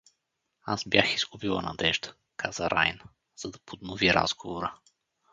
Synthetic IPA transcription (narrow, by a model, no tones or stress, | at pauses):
azbʲjaxiz̥ɡubilˠə̰nɐ̰d̪ɛʒd̪ə̥ | kʰaz̥əɾʔa̰jnə | z̥ɐd̪ɐpʰod̪noviɾa̰zɡovoɾə